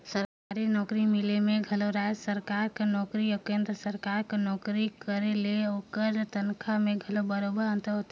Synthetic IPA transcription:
səɾkaɾinɔkɾimilemeɡʱəloɾajsəɾkaɾkenɔkɾijɔkeːnd̪ɾəsəɾkaɾkenɔkɾikəɾeleokəɾt̪ənkʰameɡʱəlobəɾobəɾə̃nt̪əɦot̪e

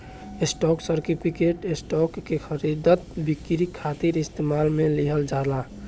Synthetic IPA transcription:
esʈɔksəɾʈipʰikeʈesʈɔkːexʰəɾid̪ʱət̪bikɾikʰːat̪iɾist̪emalmeliɦəld͡ʒaɦla

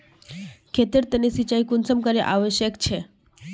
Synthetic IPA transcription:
kʰet̪iɾt̪ənisit͡ʃajkunsəmkəɾeʔaʋəʃjəkt͡ʃʰe

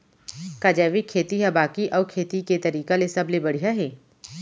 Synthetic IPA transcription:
kaːd͡ʒaːʋikʰːeːt̪iɦɛbaːkiʔɔːɾkʰeːt̪iket̪ɐɾiːkalesɐblebɐɽ̤ijaɦɛː

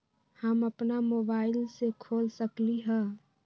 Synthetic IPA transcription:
həməpnamoːbaːɪlsekʰoːlsəkliɦɛ̃

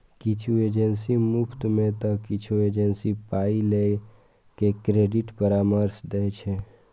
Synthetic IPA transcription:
kit͡ʃʰued͡ʒensimupʰt̪met̪ɔkit͡ʃʰued͡ʒensipaile | kekɾeɖiʈpəɾaməɾsd̪ɛjt͡ʃʰɛ

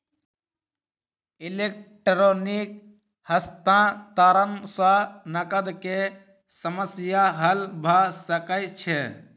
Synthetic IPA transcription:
ɪleːk̚ʈɾoːnɪk̚ | həst̪ãːt̪aːɾənsãnəkəd̪ke | səməsjaːɦəlbʱaːsəkəjt͡ʃʰe

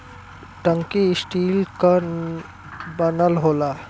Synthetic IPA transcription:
ʈəŋkiɪsʈiːlka | bənəlɦola

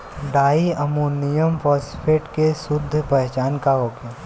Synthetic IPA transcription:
ɖaːiɐmuːnijəmpɔːspʰeːʈkesʊd̪ʱːpɛɦt͡ʃaːnkaɦoːkjə

